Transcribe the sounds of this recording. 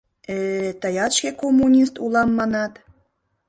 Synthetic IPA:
et̪əjɑt̪ʃkʲekomːunʲist̪ulɑmːɑnɑt̪

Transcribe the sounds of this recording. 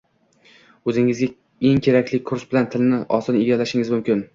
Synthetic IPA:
ɵzɪŋɪzɡʲa | e̞ŋkʲʰe̞ɾakʲlɪkʰʊɾsbɪlant̪ʰɪlnɪʔɒsɒneɡʲalaʃɪŋɪzmʊmkʲɪn

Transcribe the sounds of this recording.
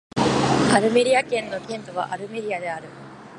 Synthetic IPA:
aɾɯ̟me̞ɾʲiakẽ̞nːo̞kʲẽ̞nt̪oβa̰ʔaɾɯ̟me̞ɾʲiad̪e̞aɾɯ̟

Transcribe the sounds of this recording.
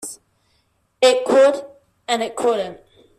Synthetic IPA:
ɪʔkʰʊd | ə̃nɪʔkʰʊɾə̃n

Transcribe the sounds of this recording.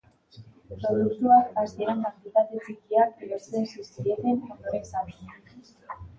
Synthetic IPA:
pɾo̞ðukt̪uakaseɾankakt̪it̪at̪et͡sikiakloɾt͡s̪ensiskiet̪enoðoɾensaβina

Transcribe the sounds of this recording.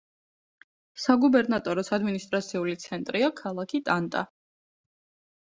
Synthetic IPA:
saɡubɛɾnat̪ʼɔɾɔsad̪minist̪ʼɾat̪sʰiulit̪sʰɛnt̪ʼɾiakʰalˠakʰit̪ʼant̪ʼa̰

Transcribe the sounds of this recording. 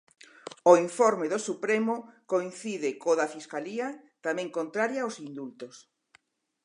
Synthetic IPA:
oiɱfoɾmeðosupɾemokoinθiðɪkoðɐfiskaliɐt̪amɛ̃ŋkont̪ɾaɾjɐosind̪ult̪os

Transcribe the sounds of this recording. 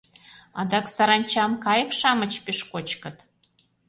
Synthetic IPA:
ɑ̰d̪ɑksɑɾɑnʲt͡ɕɑmkɑjə̆kʃɑmət͡ɕpeʃkot͡ɕkə̆t̪

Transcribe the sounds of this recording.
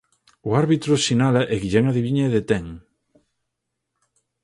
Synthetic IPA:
ʊaɾβit̪ɾʊsinalɐʔeɣiʎɛŋaðiβiɲaðet̪ɛŋ

